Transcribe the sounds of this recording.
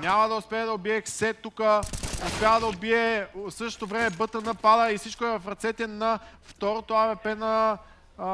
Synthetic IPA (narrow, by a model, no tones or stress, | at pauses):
nʲamɐd̪ɐʊspɛəd̪ɐobiɛxsɛt̪ːukəospjavəd̪ɐobiɛsɤʃt̪o̥t̪ovɾɛmɛbɤt̪ənɐpad̪əifsit͡ʃkoɛvɐfɾɐt̪sɛt̪ɛnɐft̪ɔɾot̪oavɛpɛnɐ